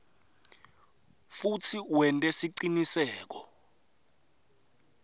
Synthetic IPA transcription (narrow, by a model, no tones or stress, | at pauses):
futʰiwɛntʼɛsiǀinisɛːk̬ɔ̥